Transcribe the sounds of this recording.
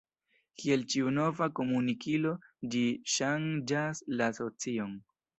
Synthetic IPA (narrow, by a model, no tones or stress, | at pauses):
kie̞lt͡ʃiuno̞vako̞munikilo̞d͡ʒiʃand͡ʒaslaso̞t͡sio̞n